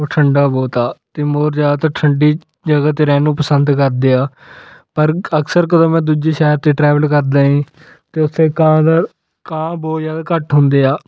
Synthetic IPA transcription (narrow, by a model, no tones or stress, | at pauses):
ʈʰəɳɖaːboːt̪aːt̪eːmoːɾd͡ʒaːd̪aːt̪aːʈʰəɳɖiː | d͡ʒəɡaːt̪eːɾɛ̃ːnũːpəsənd̪kəɾd̪eːaː | pəɾəksəɾkəd̪õːmɛ̃ːd̪uːd͡ʒeːʃɛːɾt̪eːʈɾɛːʋəlkəɾd̪aːɦĩː | t̪eːʊt̪ʰːeːkãːd̪aː | kãːboːjaːd̪aːkəʈɦʊnd̪eːaː